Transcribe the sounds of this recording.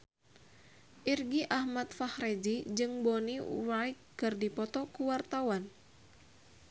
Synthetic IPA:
ʔirɡiʔahmat̪fahred͡ʒid͡ʒɨŋbɔniwajkkːɨrdipɔt̪ɔkuwart̪awan

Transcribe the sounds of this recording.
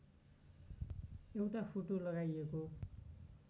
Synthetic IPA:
ewʈapʰoʈolʌɡajeko

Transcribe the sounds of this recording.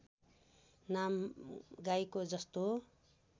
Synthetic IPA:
namɡajkod͡zʌst̪o

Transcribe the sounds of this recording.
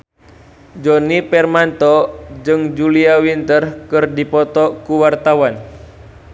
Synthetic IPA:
d͡ʒɔnipɛrmant̪ɔd͡ʒɨŋd͡ʒuliawint̪ərkɨrdipɔt̪ɔkuwart̪awan

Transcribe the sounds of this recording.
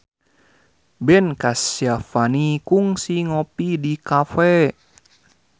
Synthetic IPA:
bɛnkasjafanikuŋsiŋɔpidikafɛ

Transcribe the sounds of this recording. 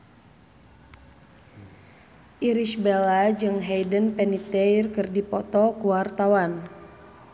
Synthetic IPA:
ʔiɾiʃbɛlad͡ʒɨŋɦɛjdənpɛnit̪ɛjrkɨrdipɔt̪ɔkuwart̪awan

